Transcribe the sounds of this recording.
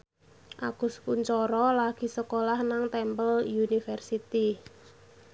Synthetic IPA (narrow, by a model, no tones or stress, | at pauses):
ʔa̰kʊskuɲt͡ʃɔɾɔlaɡ̥i̤səkolahnaŋt̪ɛmpəljunifɛrsit̪i